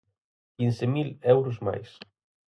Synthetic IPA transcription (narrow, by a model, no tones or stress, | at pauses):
kinsemilɛwɾʊzma̰js